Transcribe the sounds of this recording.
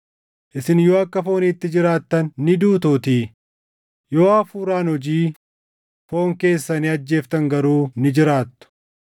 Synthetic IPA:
ʔɪsɪnjo̞ːɐkːɐfo̞ːniːt̪ːɪd͡ʒɪɾaːt̪ːɐnːɪd̪uːt̪oːt̪iː | jo̞ːɐfuːɾaːnhɔd͡ʒiː | fo̞ːŋke̞ːsːɐnɪɐd͡ʒːe̞ːft̪ɐŋɡɐɾuːnɪd͡ʒɪɾaːt̪ːʊ̥

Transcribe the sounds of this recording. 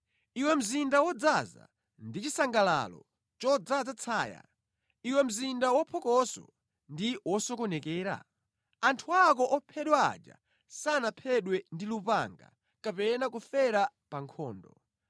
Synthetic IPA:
iwɛm̩zindawɔd͡zaza̰ | ndit͡ʃisaŋɡala̰lɔ̰ | t͡ʃɔd͡zad͡zat͡sʰaːja̰ | iwɛm̩zindawɔpʰɔkɔsɔ̰ | ndiwɔsɔkɔnɛkɛːɾa̰ | antʰuak̬ɔʔɔpʰɛɗwa̰ːd͡ʒa̰ | sanapʰɛɗwɛndilupa̰ŋɡa̰ | kapɛnakufɛɾapaŋkʰɔ̰ːndɔ

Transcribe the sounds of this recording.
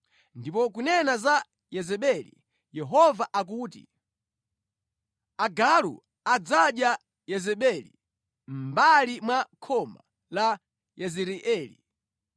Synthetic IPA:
ndipɔk̬unɛnaza | jɛzɛɓɛlḭ | jɛɦɔvaʔak̬uːtḭ | aɡalṵ | ad͡zaɗja | jɛzɛɓɛlḭ | m̩balimwakʰɔma | la | jɛzɛɾiʔɛːlḭ

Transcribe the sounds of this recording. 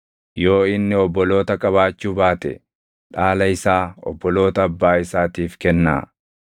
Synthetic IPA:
jo̞ːɪnːɪɔbːɔlo̞ːt̪ɐkʼɐβaːt͡ʃːuːbaːt̪ɛ̰ | ᶑaːlɐɪsaːɔ̰bːɔlo̞ːt̪ɐːbːaːɪsaːt̪iːfkɛnːa̰ː

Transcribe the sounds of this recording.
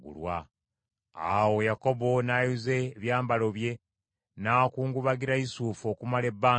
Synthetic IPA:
ɡṵlwa | a̰wo̞jako̞βo̞najuze̞βjaːmbalo̞βje̞ | nakuːŋɡuβaɡiɾaisuːfo̞kumale̞bːaː

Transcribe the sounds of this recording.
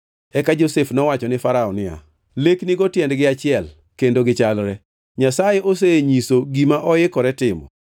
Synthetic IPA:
ɛkad͡ʒosefnɔwat͡ʃɔnɪfaɾaɔnɪa̰ | leknɪɡotjɛndɡɪat͡ʃɪɛl | kendoɡɪt͡ʃalɾɛ | ɲasajeʔos̬eɲisoɡimaʔɔɪkɔɾɛtɪmɔ̰

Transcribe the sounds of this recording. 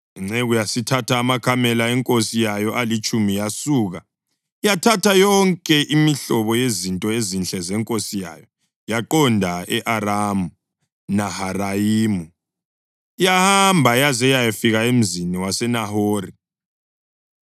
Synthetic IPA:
iŋ͡ǀeɣujasitʰatʰaːmakʰamɛlaɛŋkʼosijajɔʔalit͡ʃʼumijasuːɣa | jatʰatʰajɔŋkʼɛʔimiɬɔβɔjezintʼɔezint͡ɬʼɛzɛŋkʼosija̰jɔ | jaǃɔndʱaɛʔaɾamu | naharaiːmu | jahambʱajazɛjajafiɣaem̩ziniwasɛnahoːri

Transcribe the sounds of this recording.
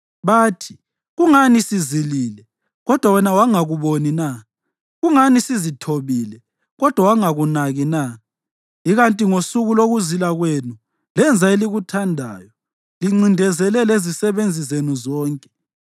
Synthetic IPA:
βaːtʰi̥ | ɣuŋanisiziliːlɛ | ɣɔd̥ʱwawɛnawaŋaɣuβonina | ɣuŋanisizitʰoβiːlɛ | ɣɔd̥ʱwawaŋaɣunaɣina | iɣantʼiŋosuɣuloɣuzilaɣwenu | lɛnd͡zʱaeliɣutʰandʱa̰ːjɔ | liŋ͡ǀindʱɛzɛlɛlezisɛβend͡zʱizenuzɔːŋkʼɛ̥

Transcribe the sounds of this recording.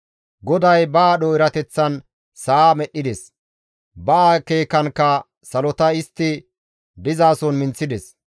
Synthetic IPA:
ɡɔd̪ɐjbɐːɗɔɪɾɐt̪ɛt͡sːɐn | saːmɛɗːɪd̪ɛs | bɐːke̞ːkɐnkːɐ | sɐlɔt̪ɐɪst̪ːɪ | d̪ɪzaːsɔnmɪnt͡sːɪd̪ɛs

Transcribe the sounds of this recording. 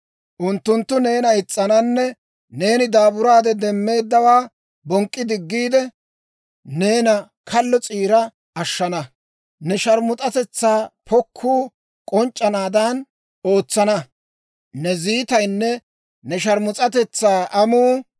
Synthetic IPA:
ʔʊnt̪ːʊnt̪ːʊne̞ːnɐɪt͡sʼːɐnɐnːɛ | ne̞ːnɪd̪aːbʊɾaːd̪ɛd̪ɛmːe̞ːd̪ːɐwaː | bɔŋkʼːɪd̪ɪɡːiːd̪ɛ | ne̞ːnɐ | kʰɐlːɔt͡sʼiːɾɐ | ɐʃːɐnɐ | nɛʃɐɾmʊt̪ʼɐt̪ɛt͡sːaːpʰɔkʰːuː | kʼɔnt͡ʃʼːɐnaːd̪ɐn | o̞ːt͡sːɐnɐ | nɛziːt̪ɐjnːɛ | nɛʃɐɾmʊt͡sʼɐt̪ɛt͡sːaːʔɐmuː

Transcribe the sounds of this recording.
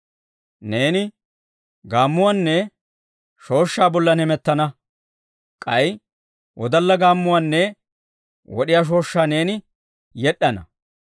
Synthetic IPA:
ne̞ːnɪ | ɡaːmːʊwaːnːɛ | ʃo̞ːʃːaːbɔlːɐnɛmɛt̪ːɐnɐ | kʼɐj | wɔd̪ɐlːɐɡaːmːʊwaːnːɛ | wɔ̰ɗɪjaːʃ̬o̞ːʃːaːne̞ːnɪ | jɛɗːɐnɐ̰

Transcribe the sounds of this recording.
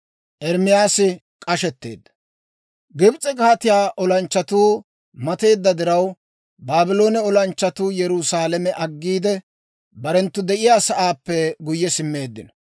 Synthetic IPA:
ʔɛɾmɪjaːsɪ | kʼɐʃɛt̪ːḛːd̪ːɐ̥ | ɡɪbt͡sʼɛkaːt̪ɪjaːʔɔlɐnt͡ʃːɐt̪uː | mɐt̪e̞ːd̪ːɐd̪ɪɾɐw | baːbɪlo̞ːnɛɔlɐnt͡ʃːɐt̪uːjɛɾusaːlɐmɛʔɐɡːiːd̪ɛ | bɐɾɛnt̪ːʊd̪ɛʔɪjaːsɐʔaːpːɛɡʊjːɛsɪmːe̞ːd̪ːɪ̰nɐ

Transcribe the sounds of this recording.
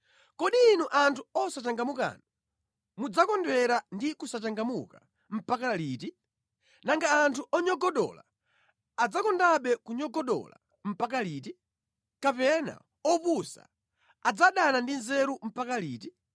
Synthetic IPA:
kɔɗiːnuʔantʰuɔsat͡ʃaŋɡamuka̰na | mud͡zakɔndwɛɾandikusat͡ʃaŋɡamuka | m̩pakalit̬i | naŋɡaːntʰuʔɔɲɔɡɔɗɔ̰la̰ | ad͡zakɔndaɓɛkuɲɔɡɔɗɔ̰la̰ | m̩pakaliːt̬i | kapɛna̰ | ɔpusa̰ | ad͡zaɗanandinzɛɾum̩pakaliːti

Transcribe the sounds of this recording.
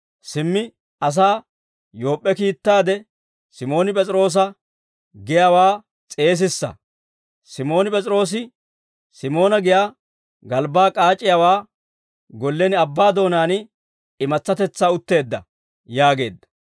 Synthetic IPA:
sɪmːɪ | ɐs̬aː | jo̞ːpʼːɛkiːt̪ːaːd̪ɛ | sɪmo̞ːnɪpʼɛt͡sʼɪɾo̞ːs̬ɐ | ɡɪjawaː | t͡sʼe̞ːs̬ɪsːɐ̰ | sɪmo̞ːnɪpʼɛt͡sʼɾo̞ːs̬ɪ | sɪmo̞ːnɐɡɪjaː | ɡɐlbaːkʼaːt͡ʃʼːɪjawaː | ɡɔlːɛnɪɐbːaːd̪o̞ːnaːn | ɪmɐt͡sːɐt̪ɛt͡sːaːʊt̪ːe̞ːd̪ːɐ | jaːɡe̞̰ːd̪ːɐ̥

